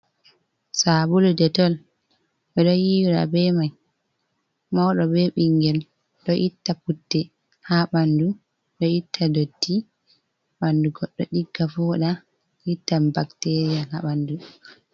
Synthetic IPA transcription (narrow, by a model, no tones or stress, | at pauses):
sabuludɛtɔl | ɓɛɗɔjiwɾa̰bɛmaj | mawɗɔbɛɓiŋɡɛl | ɗɔʔitːaputːɛ | haɓandu | ɗɔitʰːadodːi | ɓanduɡɔɗːɔ̰ɗiɡːafɔɗa | ʔitːabaktɛɾijahaɓandu